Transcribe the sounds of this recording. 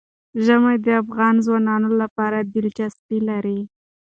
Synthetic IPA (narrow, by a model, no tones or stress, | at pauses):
ʒəmajd̪əafɣɑnzwɑnɑnolapɑɾad̪ɪlt͡ʃast̪ilaɾi